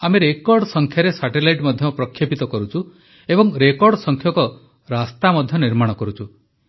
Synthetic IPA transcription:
ameɾekɔɾɖsɔŋkʰjaɾesaʈelajʈmɔd̪ʱjɔpɾɔkʰjepit̪ɔkɔɾut͡ʃʰu | ebɔŋɾekɔɾɖsɔŋkʰjɔkɔ | ɾast̪amɔd̪ʱjɔniɾmaɽ̃ɔkɔɾut͡ʃʰu

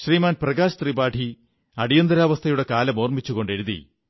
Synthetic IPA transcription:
ɕriːmaːnprɐɣaːɕɐt̪ribaːʈʰi | ɐɽijɐnd̪ɐɾaːʋɐst̪ʰɐjuɽe̞kaːlɐmo̞ːrmit͡ɕːuɣo̞ɳɖe̞ɾuðḭ

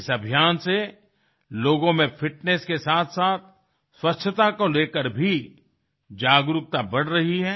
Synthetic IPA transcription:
ɪsɐbʱijaːnse | loːɡõmẽfɪʈneskesaːt̪ʰsaːt̪̚ʰ | swɐtːʃʰət̪akoleːkəɾbʱi | d͡ʒaːɡɾʊk̚t̪abɐɽɾɐɦiɦɛː

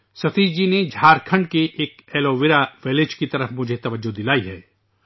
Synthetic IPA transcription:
sɐt̪iːd͡ʒined͡ʒʱaːɾkʰə̃ɳɖkeʔeːkeːloʋɪɾaʋɪled͡ʒkit̪ɐɾəfmʊd͡ʒʱet̪ɐʋəd͡ʒod̪ɪlaːiɦɛː

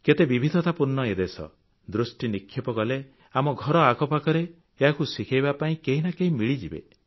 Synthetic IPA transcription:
ket̪ebibʱid̪ʱɔt̪apuɾnɔed̪esɔ̰ | d̪ɾusʈinikʰːjipɔɡɔle | amɔɡʱɔɾɔaɡɔpakɔɾeː | ɦakusikʰajbapaĩkeɦinakeĩmiɭid͡ʒibḛ

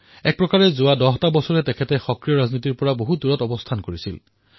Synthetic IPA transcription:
ɛk̚pɹɔkaɹɛzʊadɔɦtabɔsɔɹɛtɛkʰɛtɛxɔkɹijɔɹaznit̬iɹpɔɹaboɦuduɹɔtɔbɔstʰankoɹisḭl

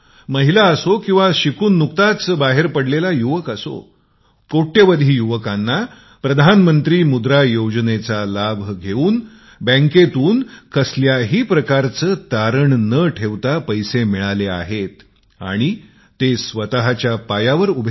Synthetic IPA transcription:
məɦilaəsokĩw̃ʋaɕikuːnːukt̪at͡sbaɦeɾpəɽlelajuʋəkəso̰ | koʈːeʋəd̪ʱiːjuʋəkanːa | pɾəd̪ʱanmənt̪ɾiːmud̪ɾajod͡ʑnet͡salabʱɡʱeuːn | bə̃ŋket̪uːnkəsljaɦiːpɾəkaɾt͡səːt̪aɾəɳnəʈʰeʋt̪apəjsemiɭalea̰ɦet̪ | a̰ɽ̃i | t̪esʋət̪aɦat͡ɕjapajaʋəɾubʱ

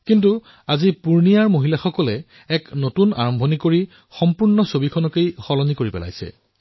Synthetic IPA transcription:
kintu | azipuɹnijaɹmoɦilaxɔkɔlɛ | ɛknotuna̰ɹɔmbʱɔnikoɹi | xɔmpuɹnɔsobikʰɔnɔkejxɔlɔnikoɹipɛ̰la̰jsɛ̰

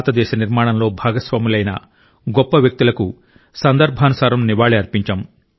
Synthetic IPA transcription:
t̪ɐd̪ɛːʃɐniɾmaːɳɐmlo̞ːbʱaːɡɐsʋaːmilɐjnɐ̰ | ɡɔpːɐʋjɐk̚t̪ilɐku | sɐnd̪ɐɾbʱaːnusaːɾɐmniʋaːɭiɐɾpiɲt͡ʃɐm

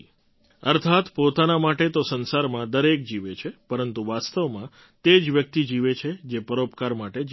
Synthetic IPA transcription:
əɾt̪ʰat̪pot̪anamaʈet̪osənsaɾmãd̪əɾek̚d͡ʒiʋet͡ʃʰepəɾənt̪uʋast̪əʋmã | t̪ed͡ʒʋjək̚t̪id͡ʒiʋet͡ʃʰed͡ʒepəɾopkaɾmaʈed͡ʒ

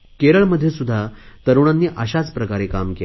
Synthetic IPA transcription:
keɾəɭməd̪ʱːjesud̪ʱːat̪əɾuɽ̃anːiːʔəɕat͡spɾəkaɾekamke

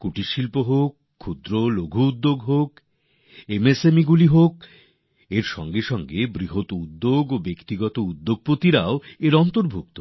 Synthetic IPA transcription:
kuʈiʃilpoɦokʰːud̪ɾoloɡʱuud̪ːoɡɦok | emesemiɡuliɦok̚ | eɾʃɔ̰ŋɡeʃɔŋɡebɾiɦot̪oud̪ːoɡobekt̪iɡɔt̪oud̪ːoɡ̚pot̪iɾaoeɾɔnt̪oɾbʱuk̚t̪o

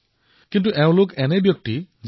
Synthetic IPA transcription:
kint̬uʔɛʊ̃lokɛnɛbjɔk̚ti | z

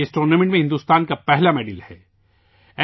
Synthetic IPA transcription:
esʈɾoːnemẽɳʈmẽɦɪ̃nd̪uːst̪aːnkapɛɦlameːɖɪlhɛː | ɛ

